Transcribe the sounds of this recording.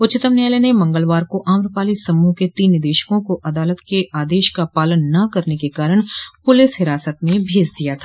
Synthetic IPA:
ʊt͡ʃɪt̪əmnjaːlenemɐ̃ŋɡəlʋaːɾkoʔaːmɾʊpaːlisɐmːũket̪iːnːɪd̪eːʃə̥kõkoʔɐd̪aːlət̪keʔaːd̪eːʃkapaːlənːɐkɐɾnekekaːɾəɽ̃pʊlɪsɦɪɾaːsət̪mẽbʱeːd͡ʒd̪ijat̪ʰaː

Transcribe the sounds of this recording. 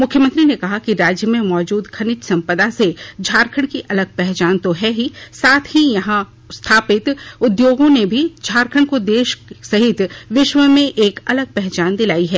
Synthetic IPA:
mʊkʰːjəmə̃nt̪ɾinekɐɦakiɾaːd͡ʒjəmẽmɔːd͡ʒuːd̪kʰɐnɪt͡ʃ̪sɐ̃mpəd̪ased͡ʒʱaːɾkʰəɽ̃kiʔɐləɡ̚pɛɦt͡ʃaːnt̪oɦɛːɦisaːt̪ʰɦijɐɦã | st̪ʰaːpɪt̪ʊd̪joːɡõnebʱid͡ʒʱaːɾkʰəɽ̃kod̪eːʃsɐɦɪt̪ʋɪʃʋəmẽʔeːkɐləɡ̚pɛɦt͡ʃaːnd̪ɪlaːiɦɛː

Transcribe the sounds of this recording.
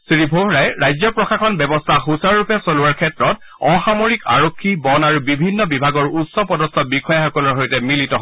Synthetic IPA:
sɹibʱoɦɹajɹajzjɔpɹɔxaxɔnbɛbɔstʰaxusaɹɹupɛsolʊwaɹkʰɛtɹɔt | ɔxamoɹika̰ɹokʰːibɔnaɹubibʱinːɔbibʱaɡɔɹutsɔpɔdɔst̪ʰɔbikɔjaxɔkɔlɔɹɦojtɛmilitɔɦ

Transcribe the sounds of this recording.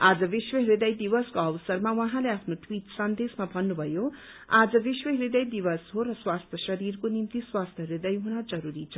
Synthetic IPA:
ad͡zʌbiswʌɦɾid̪ʌjd̪ibʌskoʌbʌsʌrmawʌɦãleapʰnoʈʰwiʈsʌnd̪esmabʱʌnːubʱʌjo | ad͡zʌbiswʌɦɾid̪ʌjd̪ibʌsɦorʌswast̪ʰjʌsʌɾirkonimt̪iswast̪ʰjʌɦɾid̪ʌjɦunʌd͡zʌɾuɾit͡sʰʌ

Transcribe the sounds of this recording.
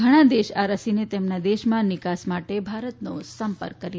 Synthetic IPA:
ɡʱəɽ̃ãd̪eʃaɾəsinet̪emnad̪eʃmãnɪkasmaʈebʱaɾət̪nosəmpə̰ɾkːəɾi

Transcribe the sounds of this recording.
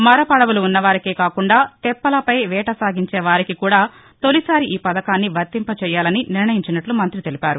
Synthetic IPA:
mɐɾɐpɐɽɐʋuluːnːɐʋaːɾikeːkaːkuɳɖaːt̪ɛpːɐlɐpɐjʋɛːʈɐsaːɡiɲt͡ʃɛːʋaːɾikikuːɽaː | t̪o̞lisaːɾiʔiːpɐd̪ɐkaːnːiʋɐɾt̪impɐt͡ʃɛːjaːlɐniniɾɳɐjiɲt͡ʃinɐʈlumɐnt̪ɾit̪elipaːɾu

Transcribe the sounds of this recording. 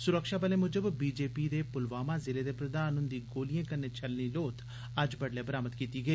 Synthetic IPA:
sʊɾəkʃaːbəleːmʊd͡ʒəbbiːd͡ʒeːpiːd̪eːpʊlʋaːmaːzɪleːd̪eːpɾəd̪aːnʊnd̪iːɡoːlijãːkəɾneːt͡ʃəlniːloːt̪ | əd͡ʒbəɖleːbəɾaːməd̪kiːt̪iːɡəeː

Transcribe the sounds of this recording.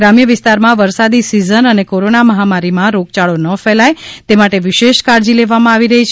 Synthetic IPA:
ɾamjəʋɪst̪aɾmãʋəɾsad̪isizənənekoɾonaməɦamaɾimãɾoɡ̚t͡ʃaɭonəfɛlajt̪emaʈeʋɪʃeʃkaɾd͡ʒileʋamãaʋiɾəɦit͡ʃʰ

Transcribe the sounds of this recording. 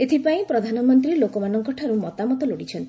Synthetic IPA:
et̪ʰipaĩpɾɔd̪ʱanɔmɔnt̪ɾilokɔmanɔŋkɔʈʰaɾumɔt̪amɔt̪ɔloɽit͡ʃʰɔnt̪i

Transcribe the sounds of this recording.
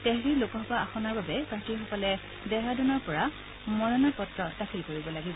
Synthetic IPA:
tɛɦɹilokɔɦpaʔaxɔnaɹbabɛkatiɹxɔkɔlɛ | bɛɦadunɔɹpɔɹa | mɔɹɔnɔɹpɔtɹɔtakʰilkoɹibɔlaɡibɔ

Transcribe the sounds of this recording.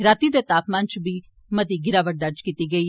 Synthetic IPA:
ɾat̪id̪et̪aːpmãnt͡ʃbiː | mɐd̪iːɡɪɾaːʋəʈ̚d̪ɐɾd͡ʒkiːt̪iɡɐi

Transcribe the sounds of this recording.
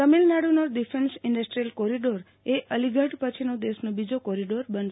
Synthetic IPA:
əmilnaɽunoɾɖifʰensɪ̃ɳɖəsʈɾijəlkoɾiɖoɾ | eʔəliɡʱəʈpət͡ʃʰinod̪esnõbid͡ʒokoɾiɖoɾbən

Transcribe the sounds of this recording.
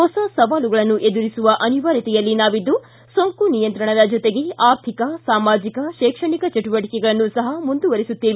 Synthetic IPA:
ɦɔsɐsɐʋaːluɡɐɭɐnːuʔe̞d̪uɾisuʋɐʔɐniʋaːɾit̪ɛjɐlːinaːʋid̪ːu | soŋkunijɐnt̪ɾɐɳɐd̪ɐd͡ʒɔt̪e̞ɡeaːɾt̪ʰikɐsaːmaːd͡ʒikɐʃɛːkʂɐɳikɐt͡ʃɐʈuʋɐʈikɛɡɐɭɐnːusɐɦɐmund̪uʋɐɾisut̪ːeːʋi

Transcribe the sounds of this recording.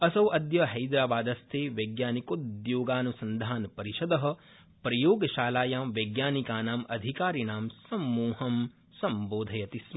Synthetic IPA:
ɐsɐʋʔɐd̪jɐɦɐjd̪ɾaːbaːd̪ɐst̪ʰeːʋɐɡjaːnikod̪joːɡaːnusɐnd̪ʱaːnpɐɾiʃɐd̪ɐɦɐ̆ | pɾɐjoːɡɐʃaːlaːjaːmʋɐɡjaːnikaːnaːmɐ̰d̪ʱikaːɾinaːmsɐmːuːhɐm | sɐmboːd̪ʱɐjɐt̪ismɐ

